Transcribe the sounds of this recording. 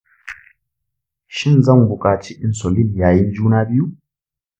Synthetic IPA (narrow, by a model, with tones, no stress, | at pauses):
ʃi˦nza˦ŋ˨ɡu˨kʼaː˨t͡ʃi˦ʔi˦nsɔ˨li˦ljaː˨ji˦n˦d͡ʒuː˦na˦bi˦ju˦